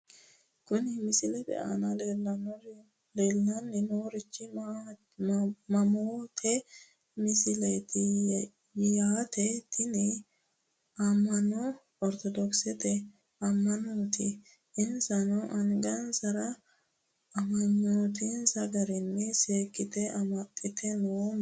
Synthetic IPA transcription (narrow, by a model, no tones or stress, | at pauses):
kʊnɪmɪsɪlɛbɛ̰ʔa̰nɐlelɐnɔɾ | leːlːɐnːɪnoːɾɪt͡ʃːɪ | mɐmoːt̪ʰɛ | mɪsɪlet̪ɪ | jaːt̪ʰɛt̪ʰɪnɪ | ɐmːɐnɔ | ɔɾt̪ɔd̪ɔksɛt̪ɛ | ɐmːɐnoːt̪ɪ̰ | ʔɪnsɐnɔʔɐŋɡɐnsɐɾɐ | ɐmɐnːoːt̪ɪnsɐɡɐɾɪnːɛseːkʼːɪt̪ɛɐmɐt̪ʼːɪt̪ʰɛnoː